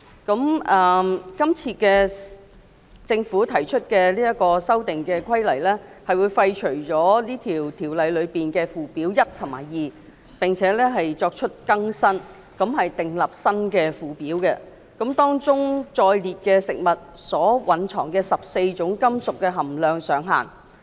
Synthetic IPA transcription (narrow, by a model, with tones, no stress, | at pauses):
kɐ˨˥mɐː˨˩kɐ˥mt͡sʰiː˧kɛː˧ | t͡sɪ˧ŋfuː˨˥t̪ʰɐ˨˩jt͡ʃʰɵ˥t̚kɛː˧liː˥jɐ˥t̚kɔː˧sɐ˥wt̪ɪ˨ŋkɛː˧kʷʰɐ˥jlɐ˨˩jlɛː˥hɐ˨jwuː˨˧jfɐ˧jt͡ʃʰɵ˨˩ɥt͡sɔː˨˥liː˥t̪ʰiː˨˩wt̪ʰiː˨˩wlɐ˨˧jlɵ˨˧ɥpiː˨˩nkɛ˧fuː˨piː˨˥wjɐ˥tt̪ʰʊ˨˩ŋma̰ː˨˩jjiː˨ | pɪ˨ŋt͡sʰɛː˨˧˥lɛː˥ɦɐ˨jt͡sɔː˧k̚t͡ʃʰɵ˥t̚kɐ˥ŋsɐ˥n | kɐ˨˥mhɐ˨jt̪ɪ˨ŋlɐ˨˩p̚sɐ˥nkɛː˧fuː˨piː˨˥wkɛ˧ | kɐ˨˥mt̪ɔː˥ŋt͡sʊ˥ŋt͡sɔː˧jliː˨t̚kɛː˧sɪ˨k̚mɐ˨˩t̚sɔː˨˥wɐ˨˥nt͡ʃʰɔː˨˩ŋkɛː˧sɐ˨p̚se˧jt͡ʃʊ˨˥ŋkɐ˥msʊ˨kːɛ˧ɦɐ˨˩mlœː˨ŋsœː˨˥ŋɦa̰ː˨˩n